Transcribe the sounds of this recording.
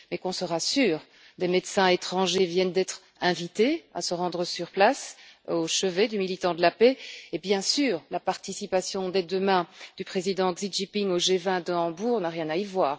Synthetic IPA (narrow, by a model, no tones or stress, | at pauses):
mɛkɔ̃səʁasyːʁ | d̪emed̪sɛ̃et̪χɑ̃ʒevjɛnd̪ɛt̪χ | ɛ̃vit̪ea̰səʁɑ̃d̪ʁəsyʁplasoʃəved̪ymilit̪ɑ̃d̪əlapeːbjɛ̃syːʁlapaʁt̪isipasjɔ̃d̪ed̪əmɛ̃d̪̥ypχezid̪ɑ̃ɡziʒipiŋoʒevɛ̃d̪əɑ̃buːʁnaʁjɛ̃naivwaːʁ